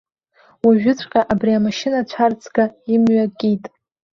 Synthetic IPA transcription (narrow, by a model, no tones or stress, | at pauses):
waʒᶣʊt͡sʷʰʼqʲʼaʔabriamaʃɪnat͡ɕʷʰart͡sʰʼɡaimɥakʼitʼ